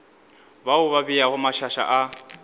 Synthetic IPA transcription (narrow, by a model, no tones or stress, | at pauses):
baʊβabijaɣʊmaʃaʃa̰ʔa